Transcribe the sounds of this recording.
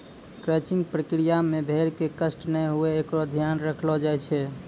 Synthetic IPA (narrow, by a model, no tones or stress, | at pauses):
kɾɛt͡ʃiŋɡ̚pɾəkɾijamebʱeɾkekəsʈnɛjɦueːkɾod̪ʱjanɾəkʰlɔd͡ʒajt͡ʃʰɛ